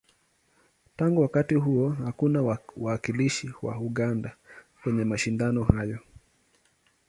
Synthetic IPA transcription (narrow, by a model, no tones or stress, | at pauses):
taŋɡuwakatiɦuɔhakunawaːkiliʃiwa̰uɠandakwɛɲɛmaʃindanɔhajɔ